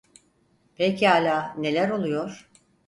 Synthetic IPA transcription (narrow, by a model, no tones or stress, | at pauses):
pʰecʰiaːlʲaːne̞lʲæɾo̞lˠujo̞ɾ̥